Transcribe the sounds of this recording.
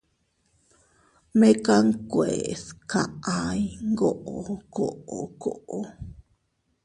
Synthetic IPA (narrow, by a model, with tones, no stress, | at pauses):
me˦ka˦ŋkweska˨ajŋɡo˦ʔoko˨ʔo˨koʔo